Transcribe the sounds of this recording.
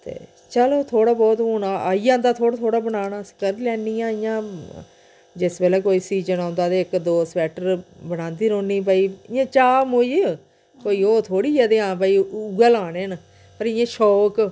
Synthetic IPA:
t̪ḛː | t͡ʃəloːt̪ʰoːɽaːbɔːt̪oːnaːaːijãːnd̪aːt̪ʰoːaːt̪ʰoːɽaːbənaːnaːsə̥kəɾlɛːniːjãːɪjãː | d͡ʒɪsbeːlɛːkoːiːsiːd͡ʒənãːnd̪aːt̪eːɪkd̪oːsbɛːʈəɾbənãːnd̪iːɾõːnːiːp̬aːiːɪjãːt͡ʃaːmoi | koːiːoːt̪ʰoːɽiːd͡ʒaːd̪eːãːp̬aːiːuɡɛːlaːneːn | pəɾɪjãːʃɔːk

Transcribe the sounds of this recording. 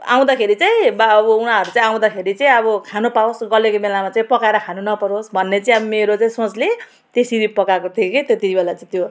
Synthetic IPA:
a̰w̃d̪akʰeɾit͡saĩbaʌbʌunaɦʌɾut͡saĩaw̃d̪akʰeɾit͡saĩʌbʌkʰanopaosɡʌlekomelamat͡saĩpʌkaeɾʌkʰanunʌpʌɾosbʱʌnːet͡saĩʌbʌmeɾot͡saĩsot͡sle | t̪esiɾipʌkakot̪ʰieket̪et̪ibelat͡saĩt̪jo

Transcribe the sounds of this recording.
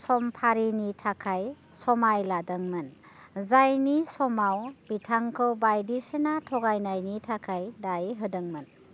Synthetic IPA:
sɔmpʰaɾinitʰakʰaj | sɔmajladɯŋmɯn | zajnisɔmawb̥itʰaŋkʰɯwbajdisenatʰɔɡajnajnitʰakʰajdajɦɯdɯŋmɯn

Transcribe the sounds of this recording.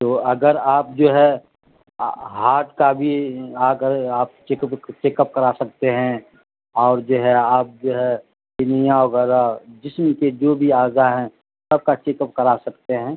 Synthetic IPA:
t̪oːɐɡəɾaːp̚d͡ʒoːɦɛ | ɦaːɾʈkabʱiaːɡəɾaːp̚t͡ʃeːkəpt͡ʃeːkəp̚kɐɾasɐk̚t̪eɦɛ̃ | ɔːɾd͡ʒoːɦɛaːp̚d͡ʒoːɦɛ | kɪnijãʋəɣɛːɾad͡ʒɪsmked͡ʒoːbʱiaːzaɦɛ̃ | səb̚kat͡ʃeːkəp̚kɐɾasɐkt̪eɦɛ̃ː

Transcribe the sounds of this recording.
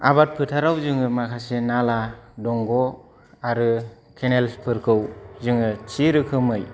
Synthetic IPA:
a̰bat̚pʰɯtʰaɾawzɯŋɯmakʰasenaladɔŋɡɔ | aɾɯ | kʰenelpʰɯɾkʰɯwzɯŋɯt͡ʃiɾɯkʰɯmɯj

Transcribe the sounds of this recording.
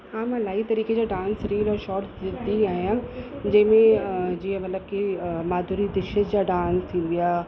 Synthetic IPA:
aːmãlaːit̪ɐɾiːked͡ʑaːɖãːnsɾiːəlɔːʃɔːɾʈɪd̪iaːɦijãd͡ʑɐ̃ɦɪ̃mẽd͡ʑiːə̃mɐt̪ləb̚kimaːd̪ʱuːɾid̪ɪʃəd͡ʑd͡ʑaːɖãːnst̪ʰĩːn̆d̪ijaː

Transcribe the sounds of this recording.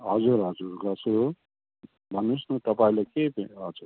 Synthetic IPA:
ɦʌd͡zuɾɦʌd͡zuɾɡʌsuɾ | bʱʌnusnʌt̪ʌpãĩlajkepeɦʌd͡zuɾ

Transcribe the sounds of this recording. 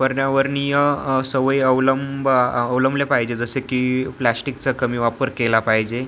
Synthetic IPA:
pəɾɳjaʋəɾnijəsəʋəjəʋləmbəːʋləmblepaɦid͡ʑed͡zəsekiplæsʈik̚t͡səkəmiːʋapəɾkelapaɦid͡ʑe

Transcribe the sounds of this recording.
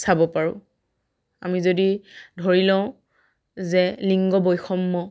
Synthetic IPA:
sabɔpaɹʊ̃ | amizodidʱoɹilãʊ̃ | zɛliŋɡɔbojxɔmːɔ

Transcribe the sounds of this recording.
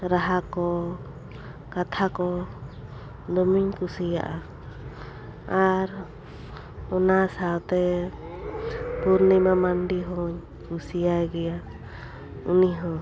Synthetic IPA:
ɾaɦakɔ | kat̪ʰakɔ | d̪ɔmiɲkusija̰ʔa | aɾ | ɔnasawt̪ɛ | puɾnimamanɖiɦɔɲ | kusijajɡɛja | uniɦɔ̃

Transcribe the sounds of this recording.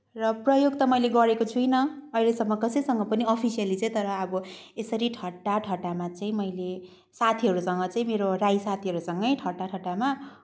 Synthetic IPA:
rʌprʌjoɡt̪ʌmʌjleɡʌɾekot͡sʰujnʌʌjlesʌmːʌkʌsʌjsʌŋɡʌpʌniʌpʰisijʌlit͡saĩt̪ʌɾʌːbʌesʌɾiʈʰʌʈːaʈʰʌʈamat͡saĩmʌjle | sat̪ʰiɦʌɾusʌŋɡʌt͡saĩmeɾorajsat̪ʰiɦʌɾusʌŋɡʌjʈʰʌʈaʈʰʌʈama

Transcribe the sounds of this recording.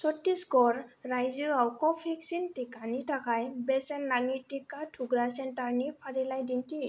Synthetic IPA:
sɔtːisɡɔɹːajzɯawkɔpʰiksintikanitakajbɛsɛnlaŋitikatʰuɡɹasɛntaɹnipʰaɹilajdinti

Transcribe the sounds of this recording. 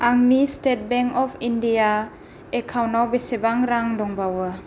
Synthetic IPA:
aŋnistet̚bɛŋkɔpʰindija | ekʰawnawbesebaŋɾaŋdɔŋbawə

